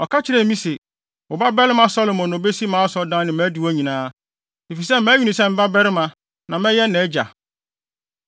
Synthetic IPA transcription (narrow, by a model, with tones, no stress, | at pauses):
ɔ˨kʰa˦t͡ɕʰɪ˨ɾɛ˨mĩ˦se˨ | ʊ˨ba˦bɛ˦ɾɪ˦mã˦sɔ˦lo˨mɔ̃˨no˨be˦si˦mãː˨˦sɔ˨dã˦nɪ̃˨mæ̃ː˨˦di˨wɔ˦ɲĩ˨nãː˦ | e˨fi˨sɛ˦m̩˦mæ̃˦ju˨nĩ˨sɛ˦m̩˦ba˦bɛ˦ɾɪ˦mã˨ | nã˨mɛ̃˦jɛ˦nɛ̃˨˦d͡ʑa̰˨